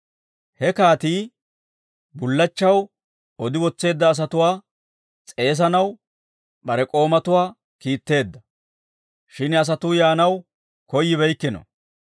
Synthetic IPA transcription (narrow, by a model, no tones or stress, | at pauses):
hɛkaːt̪iː | bʊlːɐt͡ʃːɐw | ɔd̪ɪwɔt͡sːe̞ːd̪ːɐːs̬ɐt̪ʊwaː | t͡sʼe̞ːs̬ɐnɐw | bɐɾɛkʼo̞ːmɐt̪ʊwaː | kiːt̪ːe̞ːd̪ːɐ | ʃɪnɐs̬ɐt̪ʊjaːnɐw | kɔjːɪβɛjkːɪnɔ̰